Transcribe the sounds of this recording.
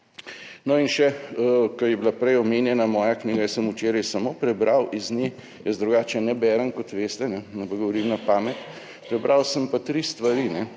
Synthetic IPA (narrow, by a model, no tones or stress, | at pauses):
nɔinʃɛkɐjɛbilapɾɛjɔmeːnjɛnamɔːjakniːɡajəsəmut͡ʃeːɾajsamoːpɾɛbɾʔawiznje | jəsd̪ɾuɡaːt͡ʃɛnɛbɛɾənkɔt̪ʋeːst̪ɛnɛnabaɡɔʋɔɾiːmnapaːmɛt̪ | pɾɛbɾʔawsəmpat̪ɾist̪ʋaɾinɛ